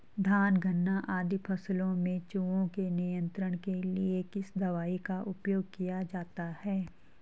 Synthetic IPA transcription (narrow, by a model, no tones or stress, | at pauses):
d̪ʱaːnɡʱənːaʔaːd̪ʱipʰɐslõmẽt͡ʃuːõkenijə̃nt̪ɾəɽ̃keliekɪsd̪ɐʋaːikaʔʊpjoːɡ̚kijad͡ʒaːt̪ahɛː